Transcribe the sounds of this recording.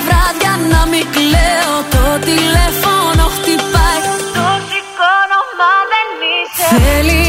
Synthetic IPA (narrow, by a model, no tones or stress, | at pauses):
vɾɐðjɐnɐmikleot̪ot̪ilefonoft̪ipɐjt̪osikonomaðelmisθeli